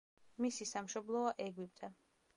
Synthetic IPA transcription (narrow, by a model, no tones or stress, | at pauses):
misisamʃɔblˠɔaʔɛɡwip̚ʼt̪ʼɛ